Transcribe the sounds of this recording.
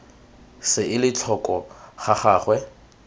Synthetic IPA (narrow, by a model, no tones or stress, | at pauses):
sɪɪlɪt͡ɬʰɔkʼɔχaχaːχwɛ